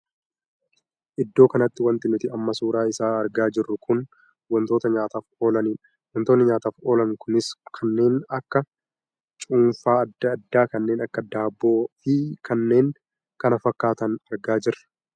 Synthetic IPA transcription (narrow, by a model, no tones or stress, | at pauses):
ʔɪd̪ːo̞ːkɐnɐt̪ːɪwɐnt̪ɪnʊt̪ɪɐmːɐsuːɾaːɪsaːɐɾɡaːd͡ʒɪrːʊkʰʊn | wɐnt̪o̞ːt̪ɐɲaːt̪aːfo̞ːlɐniːᶑɐ̥ | wɐnt̪oːnːɪɲaːt̪aːfo̞ːlɐŋkʊnɪskʰɐnːe̞ːnɐkːɐ | t͡ʃʼuːnfaːɐd̪ːɐːd̪ːaːkɐnːe̞ːnɐkːɐd̪aːbːo̞ːfɪkʰɐnːe̞ːŋ | kɐnɐfɐkːaːt̪ɐnɐɾɡaːd͡ʒɪɾɐ̥